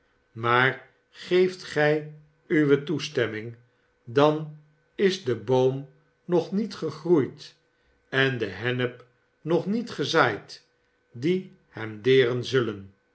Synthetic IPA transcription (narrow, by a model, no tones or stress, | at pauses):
maːr | χejftχɛj | yʋətustɛmɪŋ | dɑn | ɪzdəbowm | nɔχnitχəχrujt | ɛndəɦɛnəp | nɔχnitχəzaːjt | di | hɛmdɪːrənzɵlən